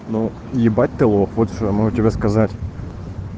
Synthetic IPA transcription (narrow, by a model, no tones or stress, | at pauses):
nu | jɪbat̚ʲt̪ɨlˠofvot̪ʂomoʊtʲɪbʲaskɐzatʲ